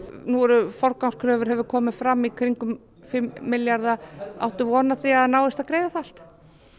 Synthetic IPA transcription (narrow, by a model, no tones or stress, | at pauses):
nuɔɾʏfɔɾkawskʰɾœːvʏɾ̥ɦɛvʏɾkʰɔːmɪfɾamːikʰvɾiŋkʏm | fɪmːɪljaɾðaa̰wht̪ʏvɔːnaθiaðnaːwɪst̪aðkɾejðaθal̥t̪